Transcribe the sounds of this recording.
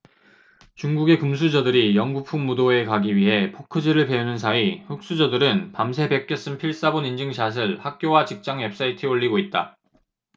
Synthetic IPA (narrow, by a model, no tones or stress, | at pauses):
t͡ɕuŋɡuɡe̞kums̬ʰud͡ʑʌdɯɾijʌŋɡupʰuŋːudoe̞kaɡiɥiɦe̞pʰokʰɯd͡ʑiɾɯɭpe̞unɯnsʰaiɸɯk̚s͈ud͡ʑʌdɯɾɯnpamsʰe̞pe̞k͈̚jʌs͈ɯnpʰiɭs͈abonind͡ʑɯŋɕʰas̬ʰɯɭhak̚k͈jowat͡ɕik̚t͡ɕ͈aŋwe̞p̚s͈ʰaitʰɯoɭːiɡoit̚t͈a̰